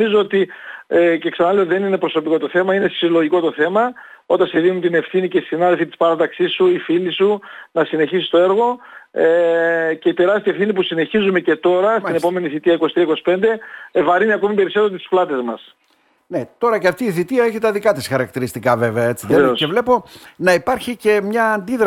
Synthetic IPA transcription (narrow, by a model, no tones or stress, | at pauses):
izoot̪iece̞ksɐnɐle̞ot̪iðenine̞pɾo̞so̞piko̞t̪o̞θe̞mɐinessilo̞ʝiko̞t̪o̞θe̞mɐ | ot̪ɐnseðinunt̪ine̞fθinicessinɐðelfit̪ispɐɾɐt̪ɐksisuifilisunɐsine̞çisi̥st̪o̞e̞ɾɣo̞ece̞ip̪e̞ɾɐst̪ie̞fθinipusine̞çizume̞ce̞t̪o̞ɾɐsine̞po̞me̞niθit̪iɐiko̞st̪ɾiɐiko̞si̥pe̞nd̪e̞vɐɾiniɐko̞mipe̞ɾiso̞t̪et̪i̥splɐt̪e̞zmɐs | ne̞t̪o̞ɾɐceɐft̪iːθit̪iɐe̞çit̪ɐðikɐt̪isxɐɾɐkt̪iɾist̪ikɐve̞veɐe̞t͡siðeeosevle̞po̞nɐipɐɾçice̞mɲɐːnd̪iðɾ